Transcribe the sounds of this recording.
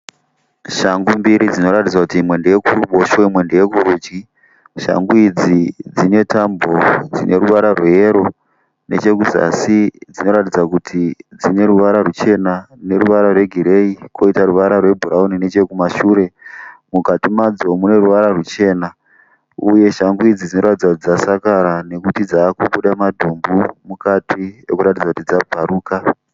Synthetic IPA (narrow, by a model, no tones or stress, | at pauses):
ʃaŋɡumbiɾid͡zino̞ɾatid͡zwakutiːmwe̞ndeje̞kuruɓo̞ʃoimwe̞ndejekuɾud͡ʒɡi | ʃa̰ŋɡuid͡zid͡zine̞tambo̞d͡zḭnʔe̞ɾuʋaɾarweeɾo̞ | ne̞̰t͡ʃe̞kuza̰sid͡zino̞ɾatid͡zakutʰid͡zine̞ɾuʋaɾarut͡ʃe̞nane̞ɾuʋaɾarwe̞ɡʱiɾe̞ikʰo̞itaruʋaɾarwe̞bʱuɾaunine̞t͡ʃe̞kumaʃuːɾe̞mukatimad͡zo̞mune̞ruʋaɾarut͡ʃe̞ːna | uje̞ʃaŋɡuid͡zid͡zino̞ɾatid͡zaid͡zasakaɾane̞kutid͡zaːkuɓuɗamadʱumbumukatʰiḛkuɾat̬id͡zakutid͡zabʱaɾuːka